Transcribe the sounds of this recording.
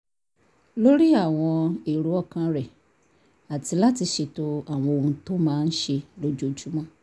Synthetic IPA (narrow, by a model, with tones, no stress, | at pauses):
lo˦ɾi˦a˦˨w̃ɔ̃˧i˨ɾu˨˦ɔ˦˨kã˧ɾɛ˨ | a˨ti˧la˦ti˧ʃe˧to˧a˦˨w̃ɔ̃˧o˧ɾũ˧to˦mãː˦˧n̩˦ʃe˧lo˦d͡ʒo˧˨d͡ʒu˦mɔ̃˦˨